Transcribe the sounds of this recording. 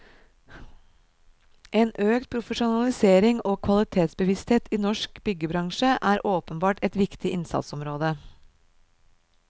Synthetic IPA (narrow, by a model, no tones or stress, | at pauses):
ʔeːnʔøːkt̪̚pʰɾʊfəʃʊnɑlɪseːɾɪŋoːkʰʋɑlɪt̪ʰeːt̪sbəʋɪst̪heːt̪ʰiːnɔʃkbʏɡəbɾɑŋʃəʔæːɾʔoːpənbɑːʈɛt̪ʋɪkt̪ɪʔɪnsɑ̰t̪sɔmɾoːd̪ə